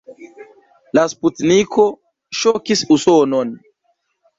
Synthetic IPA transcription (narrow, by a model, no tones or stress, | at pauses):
lasputniko̞ | ʃokisusono̞n